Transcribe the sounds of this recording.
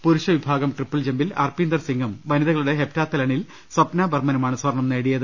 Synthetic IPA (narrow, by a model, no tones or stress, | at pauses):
puɾuʂɐʋibʱaːɡɐmʈripːɐld͡ʑembilɐ̰rpiːnd̪ɐrsiŋɡɐmʋɐniðɐɣɐɭuɽe̞ɦep̚taːt̪ːɐlɐɳil | swɐpnaːbɐrmɐnɐmaːɳɨsʋɐrɳɐmneːɽijɐðɨ